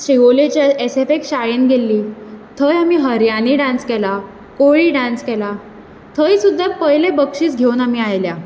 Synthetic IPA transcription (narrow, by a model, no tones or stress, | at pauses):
ɕeʋolet͡ɕaesefekɕajinɡʱelːiːt̪ʰəjamiːɦəɾjaniːɖãnskɛla | koɭiːɖãnskɛla | t̪ʰəjsud̪ʱːapəjlebəkʂiːt͡sɡʱeunamiːajlja